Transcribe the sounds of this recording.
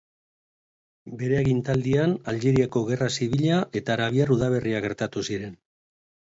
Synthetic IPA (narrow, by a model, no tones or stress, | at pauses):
be̞ɾe̞aɣint̪ald̪ianalɣeɾiako̞ɣe̞rasiβiʎaʔe̞t̪aːɾaβiaruðaβ̞e̞riaɣe̞ɾt̪at̪usiɾe̞n